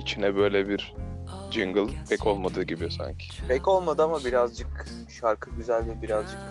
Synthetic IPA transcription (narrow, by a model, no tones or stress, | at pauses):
it͡ʃʰinɛbø̞jlʲɛbiɾd͡ʒiŋɡɯlˠpʰɛcʰo̞lˠmad̪ɯːɟibijosa̰ɲcʰi̥pʰɛco̞lˠmad̪ɯamabiɾazd͡ʒɯk | ʃaɾkʰɯɟyzælʲd̪ɛbiɾazd͡ʒɯk